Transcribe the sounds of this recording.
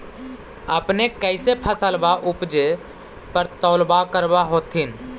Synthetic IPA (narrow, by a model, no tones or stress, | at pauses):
əpnekɛɪsepʰəsəlbaʔʊpd͡ʒe | pəɾt̪ɔːlbakəɾbaɦoːt̪in